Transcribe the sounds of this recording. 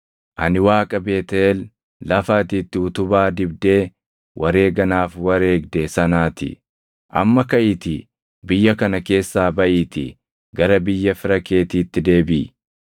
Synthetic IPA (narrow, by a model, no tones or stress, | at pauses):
ʔɐnɪwaːkʼɐbe̞ːt̪ɛel | lɐfaːt̪iːt̪ːɪʊt̪ʊbaːd̪ɪbd̪e̞ː | wʔɐɾe̞ːɡɐnaːfwɐɾe̞ːɡd̪esɐnaːt̪ɪ̰ | ʔɐ̰mːɐkɐʔɪt̪ɪ | bɪjːɐkɐnɐke̞ːsːaːbɐʔɪːt̪ɪ̰ | ɡɐɾɐbɪjːɐfɪɾɐke̞ːt̪iːt̪ːɪd̪e̞ːbɪ